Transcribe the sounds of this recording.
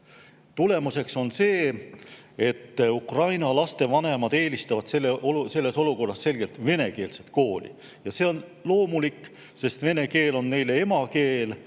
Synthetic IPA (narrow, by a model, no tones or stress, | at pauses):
t̪ule̞muse̞kso̞nse̞ː | e̞t̪ːukrɑjnɑlɑst̪e̞vɑne̞mɑd̪̥e̞ːlist̪ɑvɑd̪̥se̞lːeʔoluse̞lːe̞so̞luko̞rːɑsse̞lɡ̥e̞lt̪ve̞ne̞ke̞ːlset̪̚ko̞ːlʲḭ | jɑse̞ːo̞nlo̞ːmulikː | se̞st̪ve̞ne̞ke̞ːlo̞nːe̞jle̞e̞mɑke̞ːl